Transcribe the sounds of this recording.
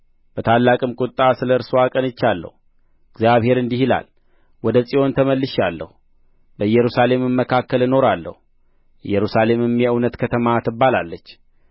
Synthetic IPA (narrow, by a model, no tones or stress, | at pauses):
b̥ət̪ʰalːakʼɨmkʼʊt̪ʼːasɨləɨɾsoakʼənɨt͡ʃːalːə̰hu | ɨɡzjaβhe̞ɾɨnd̪ihila̰l | wɔd̪əsʼijo̞nt̪ʰəməlːɨʃalːə̰hu | bəɨjːɛɾusale̞mɨmːəkʰakːəlɨno̞ɾalːə̰hu | ʔɨjːɛɾusale̞mɨmjɛɨwnət̪kʰət̪ʰəmat̪ʰɨbːalalːət͡ʃː